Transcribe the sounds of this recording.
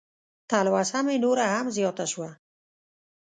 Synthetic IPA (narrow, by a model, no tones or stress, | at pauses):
t̪ʰalwashamenoɾahamzijɔt̪aʃuwa